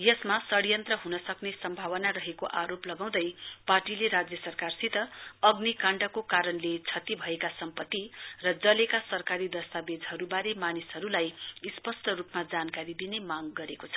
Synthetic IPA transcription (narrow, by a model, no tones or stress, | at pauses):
jʌsmasʌɽijʌnt̪rʌɦunʌsʌknesʌmbʱaβʌnarʌɦekoʔaɾoplʌɡaw̃d̪ʌjparʈileɾad͡zjʌsʌrkarsit̪ʌʌɡnikãɳɖʌkokaɾʌnlet͡sʰʌt̪ibʱʌekasʌmpʌt̪ːirʌd͡zʌlekasʌrkaɾid̪ʌst̪abed͡zɦʌɾubaɾemanisɦʌɾulajispʌsʈʌrupmad͡zankaɾid̪inemaŋɡʌɾekot͡sʰʌ̥